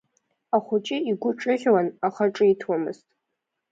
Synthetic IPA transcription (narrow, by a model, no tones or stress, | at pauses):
aχʷʊt͡ʃʼɪiɡʷʊʈ͡ʂʼɨʁʲwanaχaʈ͡ʂʼɨitʰwamɨ̰ztʼ